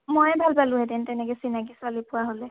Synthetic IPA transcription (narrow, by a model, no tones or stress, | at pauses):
mojɛbʱalbalʊ̃ɦɛdɛntɛnɛkɛsinakisalipʊaɦolɛ